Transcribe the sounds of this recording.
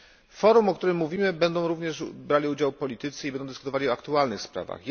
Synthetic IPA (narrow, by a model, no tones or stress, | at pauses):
fɔɾumɔkt̪uɾɘmːuvʲimɘbɛnd̪ɔ̃w̃ɾuvɲɛʂbɾalʲiud͡ʑawpɔlʲit̪ɘt̪sɘibɛnd̪ɔ̃w̃d̪ɨskut̪ɔvaliɔakt̪ualnɘxspɾa̰va̰xj